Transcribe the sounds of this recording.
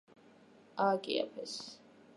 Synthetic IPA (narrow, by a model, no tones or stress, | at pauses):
akʼḭa̰pʰɛs